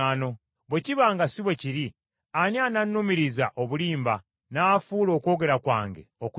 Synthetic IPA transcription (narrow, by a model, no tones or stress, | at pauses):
ano̞ | βwe̞ciβaːŋɡasiβwe̞ciɾi | aniananːumiɾizaʔoβuliːmba | naːfuːlo̞ːko̞ːɡe̞ɾakwa̰ːŋɡeoku